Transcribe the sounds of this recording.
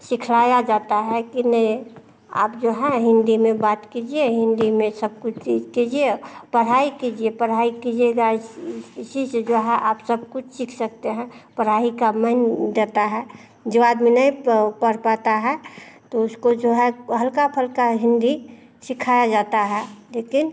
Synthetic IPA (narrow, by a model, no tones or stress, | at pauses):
sɪkʰlajad͡ʒat̪aɦɛkinəi | a̰ːp̚d͡ʒoɦɛ̃ɦɪ̃nd̪imẽbaːt̪kid͡ʒieɦɪ̃nd̪imẽsəb̚kʊt͡ʃʰt͡ʃid͡ʒkid͡ʒiepəɽ̤aikid͡ʒiepəɽ̤aikid͡ʒeɡa | sisd͡ʒoɦɛ̃ʔaːpsəb̚kʊt͡ʃʰsɪkʰsək̚t̪eɦɛ̃pəɽ̤aikamənd̪et̪aɦɛ | d͡ʒəbaːd̪minəĩpəɾpat̪aɦɛt̪oʊskod͡ʒoɦɛ̃ɦəlkapʰəlkaɦɪ̃nd̪i | sɪkʰajad͡ʒat̪aɦɛleːkɪn